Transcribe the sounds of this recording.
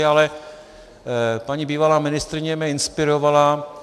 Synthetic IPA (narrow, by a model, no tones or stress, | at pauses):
alɛ | paɲiːbiːvalaːmɪnɪst̪ɾɪɲɛmɛɪnspɪɾovala